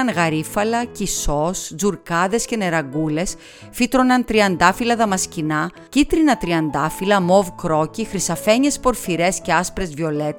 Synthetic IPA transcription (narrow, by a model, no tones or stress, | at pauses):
ɐnɣɐɾifɐlɐciso̞szuɾkɐðe̞sce̞ne̞ɾɐɡule̞s | fit̪ɾonɐnt̪ɾiɐnd̪ɐfilɐðɐmɐscinɐ | cit̪ɾinɐt̪ɾiɐnd̪ɐfilɐmo̞vkɾo̞cixɾisɐfe̞ɲe̞spo̞ɾfiɾe̞sce̞ɐspɾe̞zvio̞let̪